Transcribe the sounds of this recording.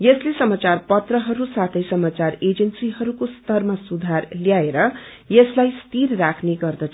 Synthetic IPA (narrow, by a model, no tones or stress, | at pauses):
jʌslesʌmat͡sarpʌt̪rʌɦʌɾusat̪ʰʌjsʌmat͡sared͡zʌnsiɦʌɾukost̪ʌrmasud̪ʱarljaeɾʌ | jʌslajst̪irrakʰneɡʌrd̪ʌt͡sʰ